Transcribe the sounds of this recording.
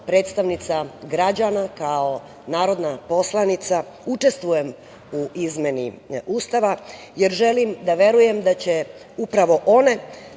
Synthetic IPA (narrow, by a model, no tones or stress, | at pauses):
pɾe̞ːt̪st̪aʋnit̪saɡɾad͡ʑanakao̞ | naːɾo̞d̪napo̞slˠanit̪sa | ut͡ʃe̞st̪ʋuje̞m | uʔizme̞niuːst̪aʋa | je̞ɾʒe̞limd̪aʋe̞ɾuje̞md̪at͡ɕe̞ | upɾaʋo̞ʔo̞ne̞